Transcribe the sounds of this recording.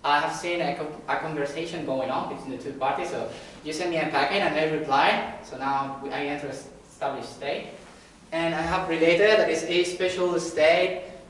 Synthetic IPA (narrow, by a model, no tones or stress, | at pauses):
ʔaɪɦɛv̥sĩnəəkʰɔ̃nvə˞seʃə̃nɡoʊɪ̃ŋɔ̃nbitʰwĩndətʰupaɹtissojusɛ̃n̚miɛ̃pækɛ̃naɪmɛɹipʰlaɪsonaʊwiʔaɪɛ̃ntəɹə | stablɪʃstet̚ | ɛ̃naɪɦɛvɹiletədlaɪtsespɛʃəlstet̚